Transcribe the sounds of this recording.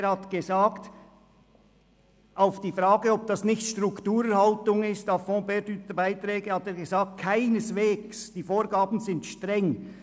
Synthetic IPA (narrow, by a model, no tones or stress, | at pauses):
ɾhatɡ̥əzaːkt | ʔaʊfd̥iːfraːɡəɔb̚d̥ɑsnɪçtʃtrʊktuːɾɛɾhaltʊŋɪstafɔ̃ːbɛdyt̪əbaɪtɾɛːɡəhɑteːɾɡəzaːk̚t̚kʰaɪnəsveːɡsd̥iːfoːɾɡaːbn̩zɪntʃtʁɛŋ